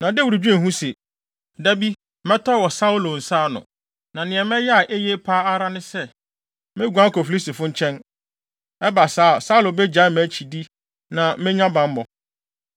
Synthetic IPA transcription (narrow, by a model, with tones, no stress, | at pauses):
nã˨dɛ˦wu˨ɾu˨d͡ʑᶣu˦ɛ̃˨ɦũ˦sɛ˨ | dæ˦bi˦ | mɛ̃˦tʰɔ˦˨wɔ˨sa˦u˦lo˨n̩˨saː˦nʊ̰̃˨ | nã˨nɪ̃˨ɛ˨mɛ̃˦jɛ˦a˨ʔe˦je˦pʰaː˦a˦ɾa˦nɪ̃˦sɛ˦ | mɪ̃˦ɡu˨ã˦kɔ˨fi˨li˦si˨fʊ̃˦ɲ̩˦t͡ɕʰɛ̃˦n | ɛ˦ba˨saː˦˨sa˦u˦lo˨bɛ˦d͡ʑa˨˦mæ˨˦t͡ɕʰi˨di˦ | nã˨˦mɪ̃˦ɲ˦ã˦bã˨m˦mɔ˨